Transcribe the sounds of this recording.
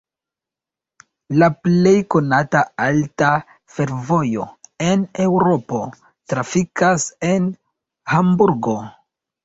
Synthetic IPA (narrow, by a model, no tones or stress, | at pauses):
laple̞jko̞nataalta | fe̞ɾvo̞jo̞e̞ne̞wɾo̞po̞ | tɾafikase̞n | hambuɾɡo̞